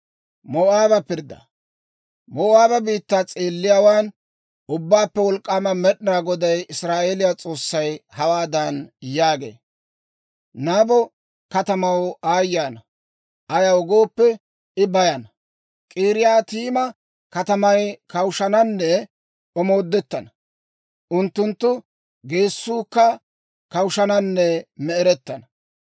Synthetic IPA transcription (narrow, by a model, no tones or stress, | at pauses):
mɔʔaːbɐpɪɾd̪ɐ̰ | mɔːʔaːbɐbiːt̪ːat͡sʼeːlːɪjaːwaːn | ʊbːaːpːɛwɔlkʼːaːmɐmɛɗɪnaːɡɔd̪ɐjɪsɾaːʔeːlɪjat͡sʼo̞ːsːɐjhɐwaːd̪ɐnjaːɡḛː | naːbɔ | kɐt̪ɐmɐwaːjːaːnɐ | ʔɐjɐwɔɡo̞ːpːɛ | ɪbɐjɐnɐ | kʼiːɾɪjaːt̪iːmɐ | kɐt̪ɐmɐjkɐwʃɐnɐnːɛ | ɔmo̞ːd̪ːɛt̪ːɐnɐ | ʔʊnt̪ːʊnt̪ːʊ | ɡe̞ːsːuːkːɐ | kɐwʃɐnɐnːɛmɛɛɾɛt̪ːɐnɐ